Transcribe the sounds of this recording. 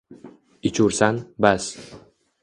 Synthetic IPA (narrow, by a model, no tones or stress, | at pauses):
ɪt͡ʃʰuɾsanbas